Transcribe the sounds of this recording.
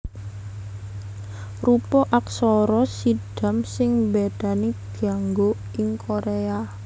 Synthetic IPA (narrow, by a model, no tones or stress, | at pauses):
rupɔʔaksɔɾɔsiɖ̥a̤msɪŋbeɖ̥aniɡ̥aŋɡo | ɪŋkʰoɾea